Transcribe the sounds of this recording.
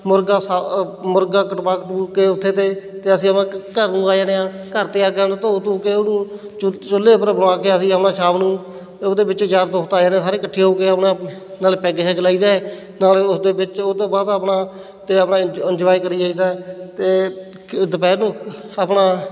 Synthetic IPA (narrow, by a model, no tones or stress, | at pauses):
mʊɾɡaːsamʊɾɡaːkəʈpaːkt̪uːɾkeːʊt̪ʰːeːt̪eːt̪eːəsĩːəpnãːkəɾnũːaːjaːneaː | kəɾt̪eːaːɡaːnːt̪oːt̪uːkeːonũː | t͡ʃʊlːeːpəɾbəɽaːkeːəsĩːəpnãːt͡ʃʰaːʋnũː | teːod̪eːbɪt͡ʃd͡ʒaːɾt̪oːt̪aːjaːnẽsaːɾeːkəʈʰːeːɦoːkeːəpnãːnaːlpɛːɡeːɦɛːɡlaːiːd̪aːɛː | naːlʊsd̪eːbɪt͡ʃod̪eːbaːd̪əpnaː | t̪eːəpnãːɪnd͡ʒʋaːiːkəɾiːaːiːd̪aːɛt̪eː | d̪əpɛːɾnũːaːpnaː